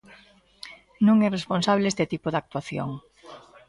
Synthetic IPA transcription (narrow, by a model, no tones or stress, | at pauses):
nũŋɛresponsaβ̞lest̪et̪ipoðak̚t̪waθjo̰ŋ